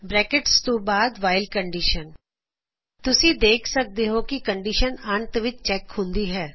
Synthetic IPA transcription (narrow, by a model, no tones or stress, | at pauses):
bɾɛːkɪʈst̪õːbaːd̪ʋaːɪlkəɳɖiːʃən | t̪ʊsĩːd̪eːkʰsək̚d̪eːɦoːkɪkəɳɖiːʃənəɳt̪ʋɪt͡ʃt͡ʃɛːkhʊ̃nd̪iːɦɛː